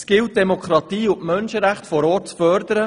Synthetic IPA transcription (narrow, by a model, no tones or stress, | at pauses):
sɡ̥ɪlt̚d̥ɛmokʰɾɑt̪iːʊʔmœnʃəɾæχtfɔɾɔːtt͡sfœɾd̪əɾə